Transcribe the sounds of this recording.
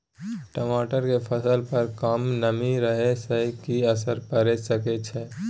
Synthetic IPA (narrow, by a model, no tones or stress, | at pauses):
ʈəmaʈəɾkepʰəsəlpəɾkəmnəmiɾəɦesəkiəsəɾpəɾɛsəkɛt͡ʃʰɛ